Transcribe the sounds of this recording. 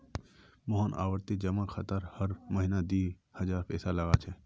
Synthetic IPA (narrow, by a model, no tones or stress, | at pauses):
mɔɦənʔa̰ːʋəɾt̪id͡ʒɐmãkʰɐt̪əɾhəɾmɐɦinad̪iː | hɐd͡ʒaːɾpʰɛːsalɐɡat͡ʃʰɛː